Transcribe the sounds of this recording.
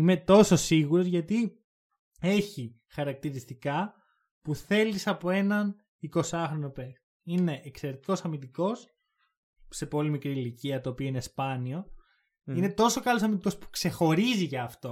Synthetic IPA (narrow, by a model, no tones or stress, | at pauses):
ime̞t̪o̞so̞siɣuɾo̞zʝɐt̪i | e̞çi | xɐɾɐk̚t̪iɾist̪ikɐ | puθe̞lisɐpo̞e̞nɐn | iko̞sɐxɾo̞no̞pek | ine̞ʔːkseɾet̪iko̞sɐmind̪iko̞s | se̞po̞limikɾiːliciɐt̪oːpioinespɐnio̞ | ine̞t̪o̞so̞kɐlo̞sɐmind̪iko̞spu̥kse̞xo̞ɾiziʝɐːft̪o̞